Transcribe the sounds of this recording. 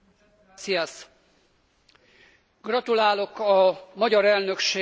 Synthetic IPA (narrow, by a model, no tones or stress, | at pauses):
siɛs | ɡ̥rɒt̪ulaːlo̞kɒmɒɟɒɾɛlnø̞kʃeː